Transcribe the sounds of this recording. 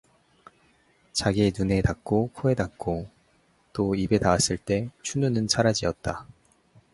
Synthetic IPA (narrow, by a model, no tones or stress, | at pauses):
t͡ɕaɡienune̞tak̚k͈okʰoe̞dak̚k͈o | t͈oibe̞tawas͈ɯɭt͈e̞t͡ɕʰununɯnt͡ɕʰaɾad͡ʑiʌt̚t͈a